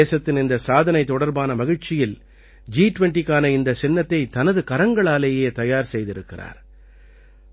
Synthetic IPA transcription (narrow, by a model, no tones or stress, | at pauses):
eːsɐt̪ːɪnɪnd̪ɐsaːðɐnɐɪt̪ːɔɽɐɾbaːnɐmɐɣɪɻt͡ʃɪjɪl | d͡ʒiːʈʋɛɳʈikːaːnɐɪnd̪ɐsɛnːɐt̪ːɐɪt̪ɐnɐðɯkɐɾɐŋɡɐɭaːleːjeːt̪ɐjaːɾsɛjðɪɾɯkːɪra̰ːɾ